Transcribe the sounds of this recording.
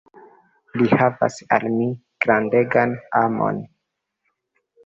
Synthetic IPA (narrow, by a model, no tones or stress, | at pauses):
lihava̰sa̰lmi | ɡ̥ɾande̞ɡanamo̞̰n